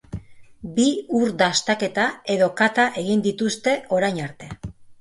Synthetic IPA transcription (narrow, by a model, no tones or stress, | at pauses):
biuɾd̪ast̪ake̞t̪ae̞ðo̞kat̪aʔe̞ɣind̪it̪ust̪e̞o̞ɾajɲaɾt̪e̞